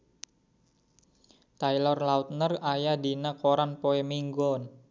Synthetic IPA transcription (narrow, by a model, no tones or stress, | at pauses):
t̪ajlɔrlaut̪̚nərajadinakoɾanpoemiŋɡɔn